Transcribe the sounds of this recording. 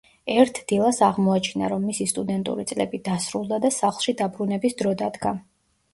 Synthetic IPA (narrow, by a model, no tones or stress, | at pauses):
ɛɾt̪ʰd̪̥ilˠasaʁmɔat͡ʃʰina̰ɾɔmːisist̪ʼud̪ɛnt̪ʼṵɾit̪sʼlɛ̰bid̪asɾulˠd̪ad̪asaχlˠʃid̪abɾunɛbisd̪ɾɔd̪ad̪ɡa